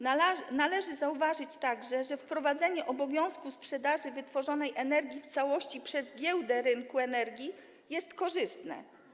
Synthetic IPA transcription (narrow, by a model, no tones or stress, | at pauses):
nalɛʐɘzauvaʐɘt͡ɕt̪aɡʐɛʐɛfpɾɔvad̪zɛɲɛʔɔbɔvʲjɔ̃w̃skuspʂɛd̪aʐɘvɘt̪fɔʐɔnɛjʔɛnɛɾɡʲjift̪sawɔɕt͡ɕipʂɛzɡʲjɛwd̪ɛɾɘŋkuɛnɛɾɡʲi | jɛst̪kɔʐɘst̪nɛ̰